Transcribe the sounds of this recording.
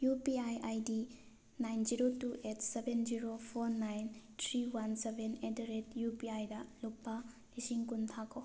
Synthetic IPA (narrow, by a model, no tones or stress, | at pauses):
jupiajʔajdi | najnziɾotuʔetʰsebʱend͡ʒiɾopʰoɾnajntʰɾiwansebʱenedɾetjupiajdɐluk̚pa | lisiŋkuntʰakʰo